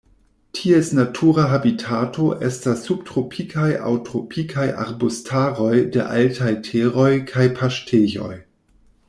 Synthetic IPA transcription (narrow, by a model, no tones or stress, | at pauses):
tʰiesnatʰuɾaɦabitʰatʰo̞ʔestasːub̚tɾopʰikʰajʔa̰wtɾopʰikʰaja̰ɾbostʰaɾo̞jdḛʔaltʰajtʰeɾojkʰajpʰaʃtʰeʝo̞̰j